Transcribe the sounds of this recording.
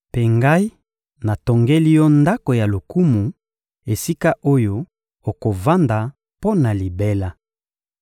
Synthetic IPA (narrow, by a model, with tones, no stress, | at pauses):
pe˦ŋɡa˦i˦ | na˨to˨ŋɡe˦li˦jɔ˦nda˦ko˨ja˨lo˨ku˦mu˨ | e˨si˦ka˦ʔo˦jo˦ | o˨ko˨va˦nda˨ | po˦na˨li˨be˦la˦